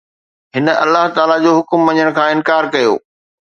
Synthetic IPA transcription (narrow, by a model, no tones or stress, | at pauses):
ɦɪnə̆ɐ̰lːaɦt̪aːlad͡ʑoːɦʊkmʋɐ̃ɲəɽ̃kʰãːɪ̃nkaːɾkɐjo̰ː